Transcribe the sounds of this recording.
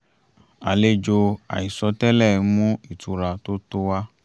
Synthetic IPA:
a˨le˦d͡ʒo˧a̰˨i˨sɔ˧˦tɛ˦lɛ˦˨˦mũ˦i˦˨tu˨˧˦ɾa˧to˦to˦wa˦

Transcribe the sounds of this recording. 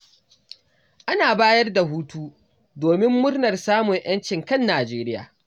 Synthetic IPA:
ʔa˦naː˨baː˦jɐ˦rda˨ɦuː˦tuː˦ | doː˨mɪ˦mːʊ˦rnɐ˨rsaː˦mʊ˨ɲʔj̰ɐ˦nt͡ʃɪ˨ŋkɐ˦˨nːaː˨d͡ʒeː˦ɾɪ˦ja̰ː˨

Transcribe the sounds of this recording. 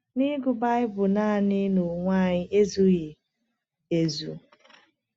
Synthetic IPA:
ni˦ɡʊ˨ba˦ɪ˦bʊ˨na˦a˨nɪ˦no˨ŋʷa˦˨ɲɪ˦ʔe˦zu˦je˨ | e˨zu˨

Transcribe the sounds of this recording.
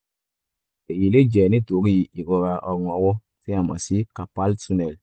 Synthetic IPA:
e˨ji˨le˦d͡ʒɛ˨nĩ˦to˨˦ki˦ji˨i˨ko˧ka˧ʔɔ˨ɡŋɔ˨wo˦ | tĩ˦ã˨ma̰˨si˦ka˨pa˦lsu˦nɛ˨l

